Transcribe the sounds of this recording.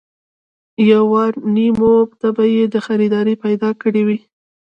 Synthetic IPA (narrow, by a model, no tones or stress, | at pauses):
jawaɾnimobt̪abajed̪əxaɾid̪ɑɾipajd̪ɑkəɽewi